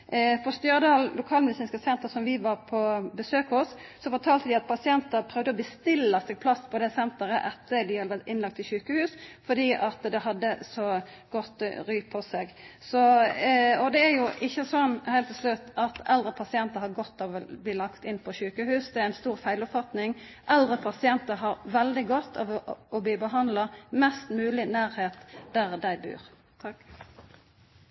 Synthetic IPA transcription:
fɔst̪jøʁəd̪ɑːllʊkʰɑːlmɛd̪ɪsiːnskəsɛnt̪əsɔmʋɪʋɑʁpʰɔbəsøːkhʊsːɔfɔʈ̪ʰɑːlt̪əd̪ɪɑt̪̚pʰɑsɪɛnt̪əɾpʰɾœʋd̪əɔbəst̪ɪlːəsɛɡ̚pʰlɑspʰɔd̪ɛsɛnt̪əɾəʔɛt̪ʰːəd̪ɪhɑd̪ʋæɾt̪ɪnːlɑk̚t̪ʰːɪlçʉːkəhʉːsfɔd̪iːʔɑt̪d̪ɛɦɑd̪ːəsɔ | ɡ̥ɔt̪ːɾyːpʰɔsɛɡsɔ | ɔd̪ɛæɾjʊʔɪçːəsɔnːhæɪlt̪ːɪlslʉt̪ːɑt̪ɛld̪ɾəpʰɑsɪɛnt̪əɾhɑɾɡɔt̪ːɑʋɔbliːlɑkt̪ɪnpʰɔɕʉːkəhʉːsd̪ɛæɾæɪnst̪uːɾfæɪlɔpfɑt̪nɪŋ | ʔɛld̪ɾəpʰɑsɪɛnt̪əɦɑɾʋɛld̪ɪɡɔt̪ːɑʋɔbiːbəɦɑnd̪lɑmɛst̪mʉːlɪnæːɾheːt̪d̪̥æɾd̪æɪbʉ̰ːɾ | t̪ʰɑk

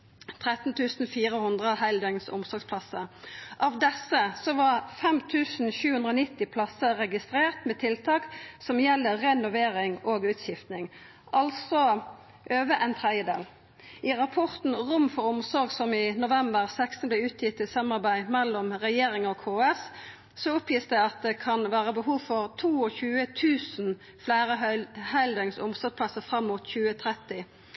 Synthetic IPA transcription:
t̪ʰʁɛt̪n̩t̪ʰʉːsn̩fiːʁəhʉnd̪ʁəhæɪld̪œŋnsʊ̰msɔɾɡspʰlɑsəʔɑːʋd̪ɛsəsɔʋɑʁfɛmt̪ʰʉːsn̩ɕʉːhʉnd̪ʁɔːnɪt̪ːɪpʰlɑsəʁɛɡɪst̪ʁeːʁt̪meːt̪ʰɪlt̪ʰɑːksɔmjɛlːəːɛnʊʋeːʁɪŋoːɡʉːt̪ɕɪft̪nɪŋ | ʔɑlsɔ | ʔøːʋəʔɛnt̪ʰʁɛd̪jəd̪ḛːl | ɪʁɑpʰɔʁt̪n̩ʁʊmfɔɾɔmsɔɾɡsɔmɪnʊʋɛmbəʁsɛkst̪n̩b̪lɛʉːt̪ʰjɪt̪ːɪsɑmɑʁbæɪmɛlːɔmʁɛjeːɾɪŋɔkʰoːɛs | sɔʊpjiːsd̪ɛɑt̪̚d̪ɛkʰɑnʋæːʁəbəɦuːʋfɔʁt̪ʰuːɔçʉːət̪ʰʉːsn̩ | flæɪʁəhæld̪əŋsʊmsɔɾpʰlɑsəfʁɑmːuːt̪çʉːət̪ʰɾɛt̪ːɪ

